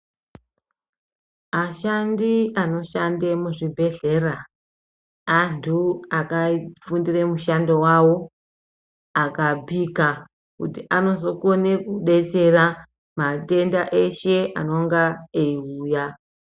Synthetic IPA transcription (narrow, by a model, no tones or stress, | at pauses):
aʃandiano̞ʃandemuʐibʱe̞ɮera | antʰuakafundiremuʃandowawo̞ | akabʱika | kutiʔano̞so̞konekuɗe̞t͡se̞ra | mate̞ndaʔe̞ʃe̞a̰no̞ŋɡaeiuːja